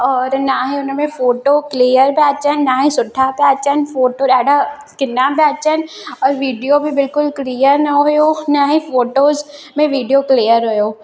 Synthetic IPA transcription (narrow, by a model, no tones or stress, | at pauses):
ɔːɾnaɦĩʊnmẽfoːʈokliːjəɾpɛːt͡ʃənːaɦĩsʊʈʰːapɛːt͡ʃənfoːʈoːɛːɖa | kɪnːapɛːt͡ʃən | ɔːɾʋiːɖijobʱibɪlkʊlklijəɾnɐɦojoːnaɦĩfoːʈoːz | mẽʋiːɖijokliːjəɾɦojoː